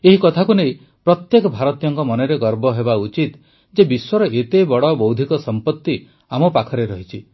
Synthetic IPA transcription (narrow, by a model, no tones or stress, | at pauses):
eɦikɔt̪ʰakunej | pɾɔt̪jekɔbʱaɾɔt̪ijɔŋkɔmɔneɾeɡɔɾbɔɦebaut͡ʃit̪ | d͡ʒebiswɔɾɔʔet̪ebɔɽɔbowd̪ʱikɔsɔmpɔt̪ːi | amɔpakʰɔɾeɾɔɦit͡ʃʰi